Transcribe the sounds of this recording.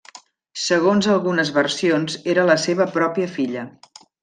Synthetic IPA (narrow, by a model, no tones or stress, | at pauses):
səɣ̞onzəlˠɣunəzβərsionzeɾələseβəpɾɔpiəfiʎə